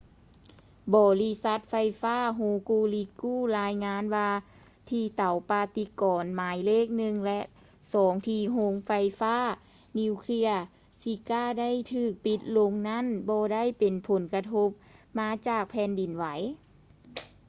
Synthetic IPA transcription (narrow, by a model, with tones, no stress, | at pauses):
bɔː˨˧li˧˥sa˧˦˥t̪̚fa˧jfaː˥˩˨ɦuː˧kuː˧li˧˥kːuː˥˩˨laː˧˥jŋaː˧˥nwaː˧ | t̪ʰiː˧t̪a˨˦wpaː˧t̪i˧˦kɔː˨nmaː˨˦jleː˥˩k̚nɯ˧ŋlɛ˧ʔ | sɔː˨˦ŋt̪ʰiː˧ɦo˧˥ŋfa˧jfaː˥˨ | niː˧kʰli˧˥ɐ | si˧˦kaː˥˩da˥˨jt̪ʰɯː˧˩k̚pi˧˦t̪̚lo˧ŋna˥˨nbɔː˧da˥˨jpe˨npʰo˨˦nka˧t̪ʰo˧˦˥p̚maː˧˥t͡ɕaː˨˩k̚pʰɛː˧ndi˨˩nwa˨˦j